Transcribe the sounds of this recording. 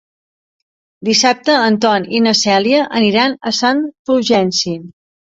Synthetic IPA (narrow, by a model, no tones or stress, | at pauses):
d̪isap̚t̪əːnt̪ɔninəsɛliəʔəniɾanəsanfuʒɛnsi